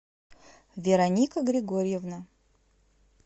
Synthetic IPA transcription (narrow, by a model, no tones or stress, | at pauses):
vʲeɾɐnʲikəɡɾʲɪɡoɾʲjevna